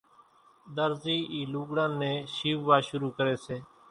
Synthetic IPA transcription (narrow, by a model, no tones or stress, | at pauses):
d̪əɾziːʔiːluːɡɽãːnːẽːʃiːʋʋaːʃʊɾuːkəɾeːseː